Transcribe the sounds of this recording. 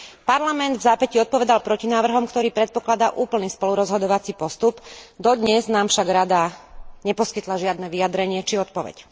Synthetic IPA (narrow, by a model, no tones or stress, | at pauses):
paɾlamɛnd̪vzaːpɛciɔt̪̚pɔʋɛd̪alpɾɔcinaːʋr̩ɦɔmkt̪ɔɾiːpɾɛt̪̚pɔklad̪aːʔuːpl̩niːspɔluɾɔzɦɔd̪ɔʋat͡sipɔst̪upd̪ɔd̪ɲɛznaːmfʃaɡɾad̪aɲɛpɔskit̪laʒɪad̪nɛʋiad̪ɾɛɲɪɛt͡ʃiɔt̪̚pɔʋɛ̰c